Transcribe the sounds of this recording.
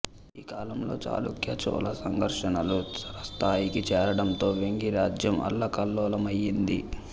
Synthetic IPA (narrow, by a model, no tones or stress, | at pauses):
iːkaːlɐmlo̞̰ːt͡ʃa̰ːlṵkjɐt͡ʃɔ̰ːlɐsɐŋɡʱɐɾʂɐnɐluɐɾɐst̪ʰaːjikit͡ʃɛːɾɐɽɐnt̪o̞ːʋeŋɡiɾaːd͡ʒjɐmʔɐ̰lːɐkɐlːɔːlɐmɐjːind̪i